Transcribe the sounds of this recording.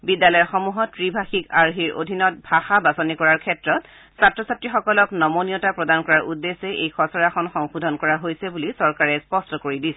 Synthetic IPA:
bidjalɔjɔxɔmuɦɔtɹibʱaxikaɹiɹʔo̰dʱinɔt̚bʱaxabasɔnikɔɹaɹkʰɛtɹɔt | satɹɔsatɹixɔkɔlɔknɔmoniɔtapɹɔdankɔɹaɹʔudːesɛʔejkʰɔsɔɹaxɔnxɔŋxudʱɔnkɔɹaɦojsɛbulisɔɹkaɹɛspɔstɔkoɹidisɛ

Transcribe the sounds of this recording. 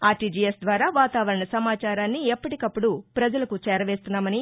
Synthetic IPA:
aːʈiːd͡ʒiesd̪ʋaːɾaːʋaːt̪aːʋɐɾɐɳɐsɐmaːt͡ʃaːɾaːnːiɛpːɐʈikɐpːuɽupɾɐd͡ʒɐlɐkut͡ʃɛːɾɐʋe̞ːst̪unːaːmɐni

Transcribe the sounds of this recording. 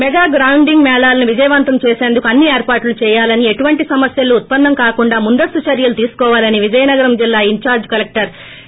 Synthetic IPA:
mɛɡaːɡɾɐwuɳɖiŋɡmɛːɭaːlɐnuʋid͡ʒɐjɐʋɐnt̪ɐmt͡ʃɛːseːnd̪ukuɐnːieːɾpaːʈlut͡ʃɛːjaːlɐnieʈuʋɐɳʈisɐmɐsjɐluːt̪̚pɐnːɐmkaːkuɳɖaːmund̪ɐst̪ut͡ʃɐɾjɐlut̪iːsu̥kɔːʋaːlɐniʋid͡ʒɐjɐnɐɡɐɾɐmd͡ʒilːaːiɲt͡ʃaːɾd͡ʒkɐlek̚ʈɐɾ

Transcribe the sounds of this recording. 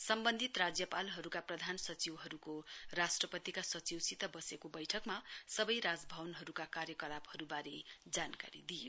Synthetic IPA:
sʌmbʌnd̪ʱit̪rad͡zjʌpalɦʌɾukaprʌd̪ʱansʌt͡siwɦʌɾukorasʈrʌpʌt̪ikasʌt͡siwsit̪ʌbʌsekobʌjʈʰʌkmasʌbʌjɾad͡zbʱʌwnɦʌɾukakarjʌkʌlaphʌɾubaɾed͡zanka̰ɾid̪ijo

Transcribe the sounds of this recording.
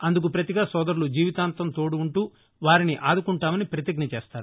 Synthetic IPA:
ɐnd̪ukupɾɐt̪iɡaːsɔːd̪ɐɾulud͡ʒiːʋit̪aːnt̪ɐmt̪oːɽuːɳʈuː | ʋaːɾiniʔaːd̪ukuɳʈaːmɐnipɾɐt̪jɐɡnɐt͡ʃeːst̪aːɾu

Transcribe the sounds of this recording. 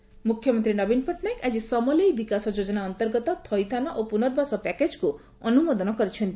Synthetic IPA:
mukʰːjɔmɔnt̪ɾinɔbinpʰɔʈnajkad͡ʒisɔmɔlejbikasɔd͡ʒod͡ʒɔnaɔnt̪ɔɾɡɔt̪ɔt̪ʰɔjt̪ʰanɔʔopunɔɾbasɔpɛked͡ʒku | ɔnumɔd̪ɔnɔkɔɾit͡ʃʰɔnt̪i

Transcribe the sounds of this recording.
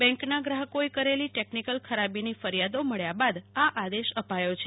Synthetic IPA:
bɛ̃ŋknaɡɾaɦəkoekəɾeliʈeknikəlkʰəɾabinifəɾijad̪oməɭjabad̪aʔad̪eʃəpajot͡ʃʰe

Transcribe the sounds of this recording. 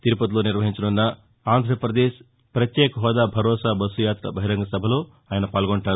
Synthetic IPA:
t̪iɾupɐt̪iloːniɾʋɐɦiɲt͡ʃɐnunːɐ | aːnd̪ʱɾɐpɾɐd̪eːʃ | pɾɐt̪jeːkɐɦɔːd̪aːbʱɐɾɔːsaːbɐsujaːt̪ɾɐ̰bʱɐɦiɾɐŋɡɐsɐbʱɐlo̞ː | aːjɐnɐpaːlɡoɳʈaːɾu

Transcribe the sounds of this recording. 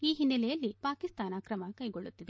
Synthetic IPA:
iːɦinːɐlɛjɐlːipaːkist̪aːnaːkɾɐmɐkɐjɡo̞ɭːut̪ːid̪e

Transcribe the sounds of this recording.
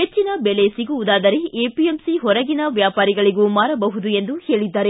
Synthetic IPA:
ɦet͡ʃːinɐbɛlesiɡuʋud̪aːd̪ɐɾeeːpiemsiɦɔɾɐɡinɐʋjaːpaːɾiɡɐɭiɡuːmaːɾɐbɐɦud̪ue̞nd̪uhe̞ːɭid̪ːaːɾe̞

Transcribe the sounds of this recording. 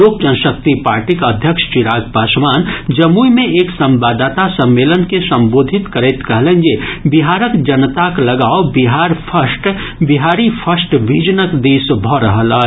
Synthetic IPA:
oːk̚d͡ʒənsək̚t̪ipa̰ːɾʈikəd̪ʱjəkʃt͡ʃɪɾaːɡpaːʃmaːnd͡ʒɐmuimẽeːksə̃mbaːd̪aːt̪asə̃mːeːlənkesə̃mboːd̪ʱɪt̪kəɾeːt̪kəɦlẽnd͡ʒebiɦaːɾəkd͡ʒɐnt̪aklɐɡaːobiɦaːɾpʰəsʈ | biɦaːɾipʰəsʈʋiːd͡ʒnəkd̪eːsbʱɔɾəɦəla

